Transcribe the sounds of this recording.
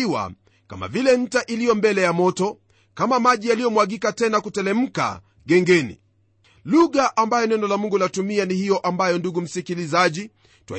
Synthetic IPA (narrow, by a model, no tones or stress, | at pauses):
iwa̰ | ka̰ma̰vilɛm̩taʔilijɔmbɛlɛjamɔtɔ | kamamaʄijalijɔmwaɠikatɛnakutɛlɛm̩ka̰ | ɠɛŋɡɛnḭ | luɣaʔambajɔnɛnɔlamuŋɡulatumianihijɔʔambajɔnduɡum̩sikilizaʄi | twa̰